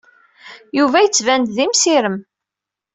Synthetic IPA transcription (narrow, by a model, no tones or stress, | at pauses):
juvæjət͡sːvænd̪ðimsiɾəm